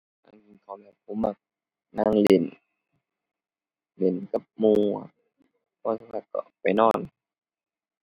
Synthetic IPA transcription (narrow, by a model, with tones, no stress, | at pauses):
na̰˧˩ŋki˧˨nkʰa˨˩wmɛː˧˩p̚ʰo˧˥˦mːa˧˩k̚ | naː˧˥˨ŋle˨˩˨n | le˨˩˨nka˧˩p̚muː˧˨ | pʰɔː˧˨sa˧kʰa˧˩t̪̚kɔ̰˧˩ʔpa˨jnɔː˧˥˩n